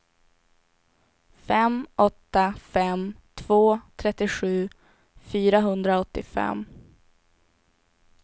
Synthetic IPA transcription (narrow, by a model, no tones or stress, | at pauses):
fɛmʔɔt̪ːafɛmt̪ʰvoːt̪ʰɾɛt̪ːɪɧʉ̟ː | fyːɾaɦɵnd̪ɾaɔt̪ːɪfɛ̰m